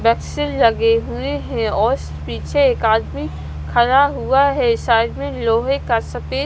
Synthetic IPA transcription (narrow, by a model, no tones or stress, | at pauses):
bɛːksɪllɐɡeɦueɦɛ̃ɔːɾs | piːt͡ʃʰeeːkaːd̪mi | kʰɐɾaɦuaɦɛʃaːɪd̪mẽloːɦekɐɾsɐpe